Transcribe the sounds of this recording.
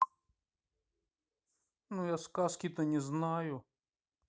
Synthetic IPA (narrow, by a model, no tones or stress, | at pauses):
nujaskaskʲit̪ənʲɪznajʊ